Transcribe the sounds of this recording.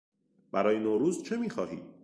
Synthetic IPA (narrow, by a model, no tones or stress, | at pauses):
b̥æɾɒːjenoːɾuːzt͡ʃʰe̞miːxɒːɦḭː